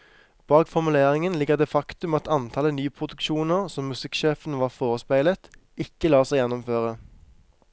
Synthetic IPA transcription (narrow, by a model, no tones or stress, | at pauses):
b̥ɑːkfɔʁmʉleːʁɪŋənlɪɡəʁd̪eːfɑkt̪ʉmɑt̪ɑnt̪ʰɑlənyːpʰʁʊd̪ʉkʃuːnəʁsɔmːʉsɪkʃeːfən̩ʋɑːʁfoːʁəspæɪlət̪ɪkːəlɑːsæɪjɛnɔmføːʁə